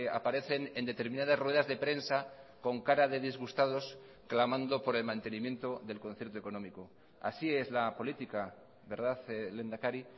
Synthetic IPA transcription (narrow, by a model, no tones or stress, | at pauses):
a̰paɾe̞θe̞ne̞nd̪e̞t̪e̞ɾmĩnað̞azrwe̞ð̞azðe̞pɾe̞nsako̞ŋkaɾað̞e̞ðizɣust̪að̞o̞s | klamãnd̪o̞po̞ɾe̞lmãnt̪e̞nĩmje̞nt̪o̞ðe̞lkonθjeɾt̪oekonõ̞miko | a̰sie̞zlapo̞lit̪ika | βe̞ɾð̞aθle̞nd̪akaɾi